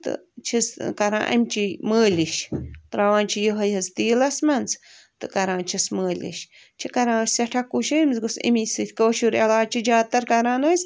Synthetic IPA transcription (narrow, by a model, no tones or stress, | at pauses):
t̪ɨ̰t͡ʃʰiskaɾã̰ʔa̰mt͡ʃimɨliʃt̪ɾawant͡ʃijəɦəjhəst̪ilasmant͡s | t̪ɨkaɾãt͡ʃʰismɨlʲḭʃ | t͡ʃʰikaɾãsjaʈʰakuʃimsɡusḭmisɨt̪koʃuɾalat͡ʃid͡ʒat̪aɾkaɾãnojs